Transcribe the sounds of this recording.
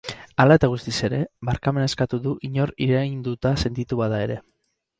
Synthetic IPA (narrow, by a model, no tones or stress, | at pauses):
alae̞t̪aɣ̞ust̪ise̞ɾe̞βaɾkame̞nae̞skat̪uðuʔiɲo̞ɾiɾejnd̪ut̪ase̞nt̪it̪uβaðae̞ɾe̞